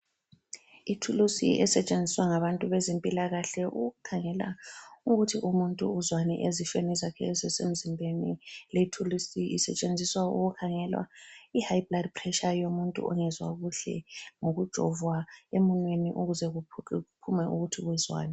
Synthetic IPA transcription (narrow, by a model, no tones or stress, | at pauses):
itʰulusḭʔɛ̰sɛt͡ʃʼend͡zʱiswaŋaβantʼuβɛzempʼilaɣaɬɛʔuɣukʰaŋɛla̰uɣutʰiʔumuntʼṵːzwanɛ̰ʔezifenizakʰɛːzɛsem̩zimbʱeniletʰulusiisɛ̰t͡ʃʼend͡zʱiswaṵɣukʰaŋɛlwa̰ihajibladpʰrɛʃajomuntʼṵɔ̰ŋɛzwa̰ɣuɬɛ̰ŋoɣud̥ʒ̥ʱɔvwaemunweniʔuɣuzɛupʰumɛʔuɣutʰiɣwɛzwa̰ːnɛ